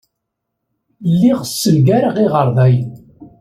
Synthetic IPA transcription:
lːiʁsːəlɡæɾaʁiʁəɾˤðˤæj

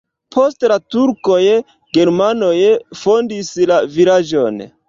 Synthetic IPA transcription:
pʰostlatuɾko̞j | ɡe̞ɾmano̞jfo̞ndislavilad͡ʒo̞n

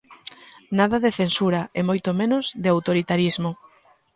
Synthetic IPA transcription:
naðɐðeθensuɾaemojt̪omenozðɪawt̪oɾit̪aɾizmo

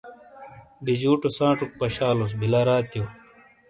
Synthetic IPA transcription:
bid͡ʑuːʈusãːʈ͡ʂuk̚pɐɕaːlos̬bilɐɾaːt̪jo

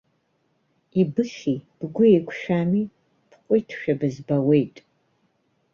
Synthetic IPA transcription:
ibɨɬiːb̥ɨɡʷʊekʷʰʃaːmiː | pʰqʷʼʊjtʰʃᶣɐbɨzbɐwejtʼ

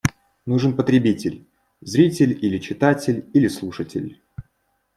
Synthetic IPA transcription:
nuʐɨnpət̪ɾʲɪbʲitʲɪlʲ | zɾʲitʲɪlʲilʲɪt͡ɕɪt̪atʲɪlʲilʲɪslˠuʂətʲɪ̰lʲ

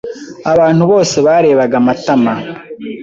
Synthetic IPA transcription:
aβaːn̥huβo̞ːse̞βaːɾe̞ːβaɡamatama

